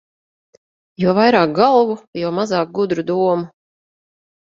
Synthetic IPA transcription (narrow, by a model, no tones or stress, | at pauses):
juɔvajɾɑːk̚ɡalˠvujɔmazɑːk̚ɡud̪ɾud̪uɔmu